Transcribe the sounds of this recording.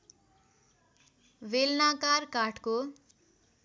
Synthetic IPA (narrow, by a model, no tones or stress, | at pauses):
ʋelnakarkaʈko